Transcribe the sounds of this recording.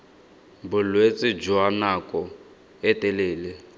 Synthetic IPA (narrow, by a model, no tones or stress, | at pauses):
bʊlwet͡sʼɪd͡ʒɔɦanakʼɔ | ɛtɛleːle